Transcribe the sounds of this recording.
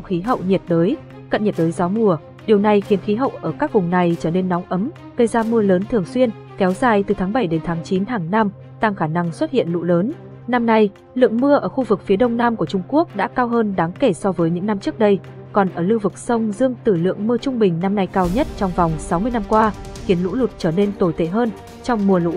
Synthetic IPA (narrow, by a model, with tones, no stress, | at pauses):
wxi˨˦ɦə̰˧˨wɲi˨˩t̚ɗəː˨˦j | kə̰˧˨nɲə˨˩t̚ɗəː˨˦jzɔ˨˦mu˨˩ə | ɗi˨˩əwna˨˩jxi˨˦ənxi˨˦ɦə̰˧˨wʔəː˧˩kaː˦˥k̚vʊ˨˩ŋ͡mna˨˩jt͡ɕəː˧˩ne˧nːɔ˨˦ŋʔə˨˦m | ɣə˧jzaː˧mɨ˧ələː˨˦nt̪ʰɨ˨˩əŋswi˧ən | kɛ˨˦wzaː˨˩jt̪ɨ˨˩t̪ʰaː˨˦ŋɓa˧˩jɗe˨˦nt̪ʰaː˨˦ŋt͡ɕi˨˦nɦaː˨˩ŋnaː˧m | t̪aː˧ŋxaː˧˩na˧ŋswə˦˥t̚hḭ˧˨ənlṵ˧˨ləː˨˦n | na˧mna˧j | lɨ̰˧˨əŋmɨ˧əʔəː˧˩xu˧vɨ˨˩k̚fi˨˦əɗə˧wŋ͡mnaː˧mku˧˩ət͡ɕʊ˧ŋ͡mku˦˥ək̚ɗa̰ː˧˥kaː˧wɦəː˧nɗaː˨˦ŋke˧˩sɔ˧vəː˨˦jɲɨ̰˧˥ŋna˧mt͡ɕɨ˦˥ək̚ɗə˧j | kɔ˨˩nʔəː˧˩lɨ˧vɨ˨˩k̚sə˧wŋ͡mzɨ˧əŋt̪ɨ˧˩lɨ̰˧˨əŋmɨ˧ət͡ɕʊ˧ŋ͡mɓï˨˩ŋ̟na˧mna˧jkaː˧wɲə˦˥t̚t͡ɕɔ˧wŋ͡mva˨˩wŋ͡msa˨˦wmɨ˧əjna˧mkwaː˧xi˨˦ənlṵ˧˥lʊ˨˩t̚t͡ɕəː˧˩ne˧nt̪o˨˩jt̪ḛ˧˩ɦəː˧n | t͡ɕɔ˧wŋ͡mmu˧əlṵ˧˥